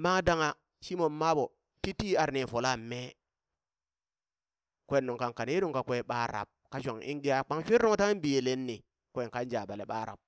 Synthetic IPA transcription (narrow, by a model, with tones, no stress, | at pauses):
ma˦ŋ˦da˦ŋa˨ | ʃi˦mo˨mma˦bo˨ | ti˦ti˦a˨ɾne˨fo˨la˦˨mːe˦ | kʷe˦˨nːo˨ŋka˨ŋka˨n˦e˦nu˦ŋka˨kʷe˦˨ɓa˦ɾa̰˨p̚ka˦ʃ̬ʷa˨ŋḭ˦ŋɡi˦ja˦k͡pa˦ŋʃʷi˦ɾno˦ŋ˦ta˦ŋi˦nbi˨e˨le˦nːi˨ | kʷːŋka˦nd͡ʒa˨ba˨le˨ɓa˦ɾa̰˨p̚